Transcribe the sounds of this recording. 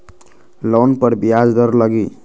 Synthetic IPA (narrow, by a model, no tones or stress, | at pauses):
lonpəɾbiad͡ʒd̪əɾləɡi